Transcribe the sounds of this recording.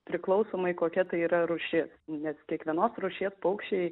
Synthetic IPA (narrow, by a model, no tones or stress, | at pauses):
pʲɾʲɪklˠɐʊsoːmɐɪkoːkʲɛt̪ɐɪiːɾɐɾʊʃʲɪsnʲɛskʲiɛkʋʲiɛnoːsɾʊʃʲeːspɐʊkʃʲɛɪ